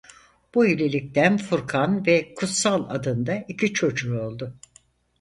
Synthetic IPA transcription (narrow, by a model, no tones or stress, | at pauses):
b̥uilʲelʲic̚t̪ʰænfuɾkʰanvɛkʰut̪salˠa̰d̪ɯnd̪aicʲʰit͡ʃʰo̞d͡ʒuo̞lˠd̪ʊ